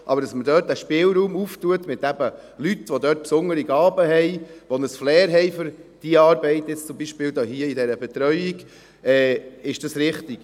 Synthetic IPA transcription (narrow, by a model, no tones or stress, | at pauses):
ʔɑbəɾd̥ɑsmədœːtæʃpɪːlɾuːmuftuətmɪt̪æbə | lyt̪ʋod̪œːt̚psʊnəɾiɡɑːbəhɛjʋonəsflɛːɾɦɛɪfʏɾd̥iəɑːɾbɛɪtjɪt͡st͡sʊmbiʃpɪːld̪ɑːhiəidɛɾəbɛt̪ɾœʏiɡ | ɛːɪʃd̥ɑsɾɪχtiɡ̥